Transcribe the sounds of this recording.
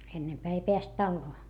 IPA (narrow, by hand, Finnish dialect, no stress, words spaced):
enːempæː ei peæst tɑlːoː